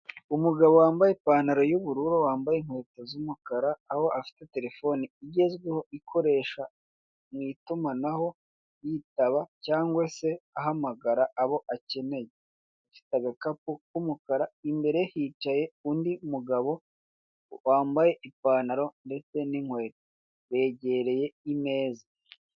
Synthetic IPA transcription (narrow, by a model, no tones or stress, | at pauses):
umuɡaβowaːmbajepaːnaɾo̞juβuɾuɾowaːmbajeŋ̥hwe̞ːtozumukaɾaːho̞afi̥te̞te̞ɾe̞fo̞niiɟe̞zɡweho̞ikʰo̞ɾe̞ːʃa | mŋiːtumanaho̞ | jitaβacaːŋɡwase̞aɦamaɡaɾaːβo̞ʔace̞ne̞je | afi̥taɡakap̚ukumukaɾaimbe̞ɾehiːt͡ʃaje̞undiumuɡaβo̞ | waːmbaje̞ʔipaːnaɾo̞nde̞t͡se̞niŋ̥hwe̞ːto | βe̞ːɟe̞ɾe̞je̞ime̞ːza